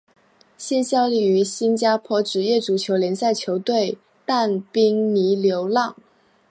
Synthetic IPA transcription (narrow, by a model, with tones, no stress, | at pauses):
ɕɛ˥˧nɕjɑ˥ʊli˥˩y˧˥ɕi˥nt͡ɕja˥pʰwɔ˧˥ʈ͡ʂɻ̩˨˩jɛ˥˩ʈ͡ʂu˨˩t͡ɕʰjo˧˥ʊljɛ˧˥nsa˥˩ɪt͡ɕʰjo˧˥ʊt̪we˥˧ɪ | t̪a˥˩npi˥ŋni˧˥ljo˧˥ʊlɑ˥˩ŋ